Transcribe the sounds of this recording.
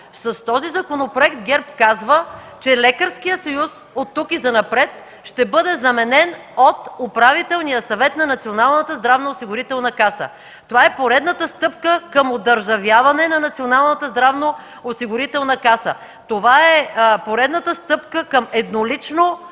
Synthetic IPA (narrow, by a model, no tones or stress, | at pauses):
sɐst̪ɔzizɐkonopɾoɛkt̪ɡʲɛɾpkazvə | t͡ʃɛlɛkəɾskijəsɐjus | ot̪ːukizɐnɐpɾɛt̪ | ʃt̪ɛbɤd̪ɛzɐmɛnɛn | ot̪opɾavit̪ɛlˠnijəsɐvɛt̪nɐnɐt̪sionalˠnət̪əzd̪ɾavnoːsiɡʊɾit̪ɛlˠnəkasə̰ | t̪ovaɛpoɾɛd̪nət̪əst̪ɤpkəkəmod̪əɾʒɐvjavɐnɛnɐnɐt̪sionalˠnət̪əzd̪ɾavno | osiɡʊɾit̪ɛlˠnɐkasə | t̪ovaɛpoɾɛd̪nət̪əst̪ɤpkəkəmɛd̪nolit͡ʃno